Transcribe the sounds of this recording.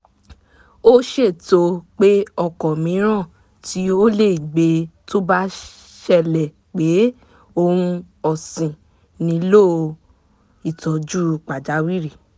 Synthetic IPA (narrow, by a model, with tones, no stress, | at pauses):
o˦ʃe˦˨to˧k͡pe˦ɔ˦˨kɔ˨mĩ˨˦ɾ̃ã˦˨ | ti˦o˦le˦˨ɡ͡be˨˧to˦ba˦ | ʃɛ˦˨lɛ˨ | k͡pe˨˦ | o˦˧ɾ̃ũ˧ | ɔ˨sĩ˨ | nĩ˨˦lo˦˨ | i˨tɔ˨d͡ʒu˦k͡pa˨d͡ʒa˨˦wi˦ɾi˦˨